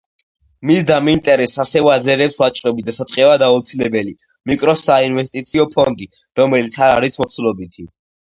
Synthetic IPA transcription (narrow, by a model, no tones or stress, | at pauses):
misd̪amint̪ʼɛɾɛsasɛvazɛɾɛpsvat͡ʃʼɾɛbid̪asat̪sʼqʼɛvad̪aut̪sʰilɛbɛli | mikʼɾɔsainvɛst̪ʼit̪sʰiɔpʰɔnd̪i | ɾɔmɛlit̪sʰaɾaɾismɔt̪sʰulɔbit̪ʰi